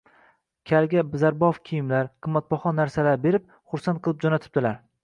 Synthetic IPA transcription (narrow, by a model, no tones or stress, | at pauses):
kʲʰalɡʲabɪzaɾbɒfkʲʰijɪmlaɾqʰɨmːat̪̚bɒχɒnːaɾsalabe̞ɾɪp̚ | χʊɾsant̪̚qʰɨlˠɪp̚d͡ʒɒnat̪ʰɪ̥p̚d̪̥ɪlaɾ